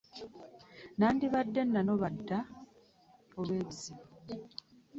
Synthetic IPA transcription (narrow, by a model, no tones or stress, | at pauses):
naːndiβadːenːano̞βadːa | oβwe̞ːβiziβo